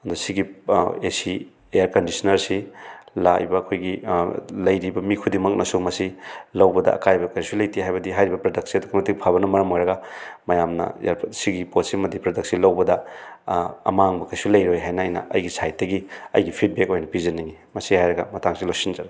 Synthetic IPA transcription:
ɐndusiɡiesi | ejaɾkɐndisɐnɐɾsila̰jbɐːkʰojɡilɐjɾibɐmikʰudimɐk̚nɐsumɐsilɐwbɐdɐ̰ʔɐ̰kajbɐkɐɾjsulɐjtʰiɦajbɐdiɦajɾibɐpɾɐdɐk̚siɐduɡɐmɐtiɡpʰaβɐnɐmɐɾɐmojɾɐɡɐmɐjamnɐ̰aɾsiɡipot̚simɐd̪ipɾɐdɐk̚silɐwbɐdɐ | ɐ̰maŋbɐkɐjsulɐjɾojɦajnɐːjnɐ̰ʔɐ̰jɡisajt̚dɐɡiɐ̰jɡipʰit̚bekojnɐpizɐniŋimɐsihajɾɐɡɐ̰mɐtaŋsilosinzɐɾa

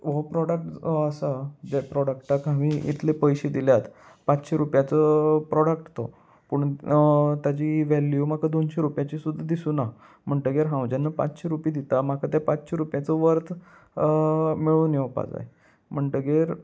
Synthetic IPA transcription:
ʋopɾɔɽəkʈːsad͡ʑepɾɔɽəkʈakamiʔḭt̪ʰlepəjɕed̪iljat̪ | pat͡sɕeɾupjat͡səpɾɔɽəkʈt̪o̰ | puɳ | t̪jat͡ɕiʋɛljum̤akʰad̪onɕeɾupjat͡ɕisud̪ʱːad̪isuːna | m̤əɳʈəɡeɾɦãwd͡ʑanːapa̰t͡sɕeɾupid̪it̪amakʰat̪japat͡sɕeɾupjat͡səʋəɾt̪ | miɭuːnjewpa̰d͡za̰j | m̤əɳʈəɡeɾ

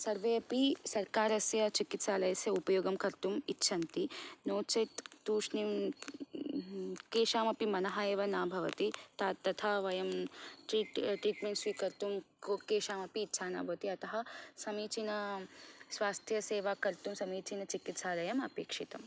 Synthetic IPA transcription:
sɐɾʋejɐpisɐɾkaːɾɐsjɐt͡ʃikit̪saːlɐjɐsjɐupɐjoːɡɐmkɐɾt̪umitːʃʰɐnt̪inoːt͡ʃɐjt̪t̪uːʂnim | keːʃaːmɐpimɐnɐɦajeːʋɐnaːbʱɐʋɐ̰t̪it̪aːt̪ːɐt̪ʰaʋɐjɐmʈɾiːʈʈɾiːʈmeɳʈsʋikɐɾt̪umkkeːʃaːmɐpiːtːʃʰaːna̰ːbʱɐʋɐt̪iɐt̪ɐɦɐsɐmiːt͡ʃinɐ | sʋaːst̪ʰjɐseːʋakɐɾt̪umsɐmiːt͡ʃinɐt͡ʃikit̪saːlɐjɐmɐpeːkʂit̪ɐm

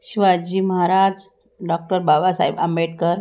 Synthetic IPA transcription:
ɕiʋad͡ʑiːməɦaɾad͡z | ɖɔk̚ʈəɾbaʋasaɦibəmbeʈ̚kəɾ

